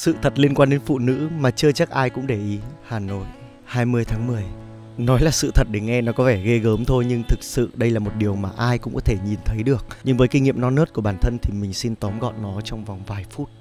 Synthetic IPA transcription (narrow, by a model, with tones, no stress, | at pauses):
sɨ̰˧˨t̪ʰə˨˩t̚li˧ənkwaː˧ɗe˨˦nfṵ˧˨nɨ̰˧˥maː˨˩t͡ɕɨ˧ət͡ɕa˦˥k̚ʔaː˧jkʊ̰˧˥ŋ͡mɗe˧˩ʔi˨˦haː˨˩no̰˧˨j | haː˧jmɨ˧əjt̪ʰaː˨˦ŋmɨ˨˩əj | nɔ˨˦jlaː˨˩sɨ̰˧˨t̪ʰə˨˩t̚ɗe˧˩ŋɛ˧nɔ˨˦kɔ˨˦vɛ˧˩ɣe˧ɣəː˨˦mt̪ʰo˧jɲɨ˧ŋt̪ʰɨ˨˩k̚sɨ̰˧˨ɗə˧jlaː˨˩mo˨˩t̚ɗi˨˩əwmaː˨˩ʔaː˧jkʊ̰˧˥ŋ͡mkɔ˨˦t̪ʰe˧˩ɲi˨˩nt̪ʰə˨˦jɗɨ˨˩ək̚ɲɨ˧ŋvəː˨˦jki˧ŋḭ˧˨əmnɔ˧nəː˦˥t̚ku˧˩əɓaː˧˩nt̪ʰə˧nt̪ʰi˨˩mï˨˩ŋ̟si˧nt̪ɔ˨˦mɣɔ̰˧˨nnɔ˨˦t͡ɕɔ˧wŋ͡mva˨˩wŋ͡mvaː˨˩jfu˦˥t̚